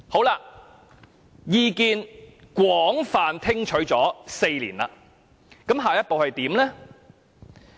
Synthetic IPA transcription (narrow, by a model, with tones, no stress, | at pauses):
ho˨˥wlaː˧ | jiː˧kiː˧nkwɔː˨˥ŋfaː˨nt̪ʰɪ˥ŋt͡ʃʰɵ˨˥ɥt͡sɔː˨˥se˧jliː˨˩nla̰ː˧ | kɐ˨˥mɦaː˨jɐ˥t̚po˨whɐ˨jt̪iː˨˥mlɛː˥